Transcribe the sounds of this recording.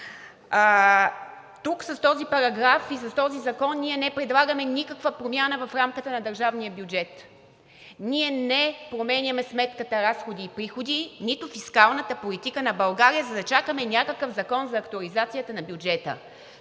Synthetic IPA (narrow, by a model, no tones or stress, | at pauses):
t̪uksɐst̪ɔzipɐɾɐɡɾafis̬ɐst̪ɔzizɐkɔnːiɛnɛpɾɛd̪lˠaɡəmɛnʲikəkvəpɾomʲjanəvɐfɾamkət̪ənɐd̪ɐɾʒavnijəbʲjud͡ʒɛt̪ | niɛnɛpɾomɛnʲɐmɛsmɛt̪kət̪əɾasxod̪iːpɾixod̪init̪ʊfiskalˠnət̪əpolit̪ikənɐbɐlˠɡaɾijəzɐd̪ɐt͡ʃakəmɛnʲakəkəfzɐkɔnzɐːkt̪oɐlizat̪sijət̪ənɐbjud͡ʒɛt̪ə̰